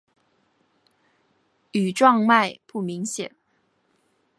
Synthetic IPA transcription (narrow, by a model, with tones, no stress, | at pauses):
y˨˩ʈ͡ʂwɑ˥˧ŋma˥˧ɪpu˥˩mi˧˥ŋɕjɛ̰˨˩˦n